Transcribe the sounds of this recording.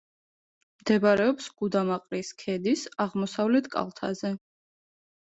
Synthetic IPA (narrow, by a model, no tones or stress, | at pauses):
md̪ɛbaɾɛɔpsɡ̥ud̪amaqʼɾiskʰɛd̪isaʁmɔsavlɛt̪ʰkʼa̰lˠt̪ʰa̰zɛ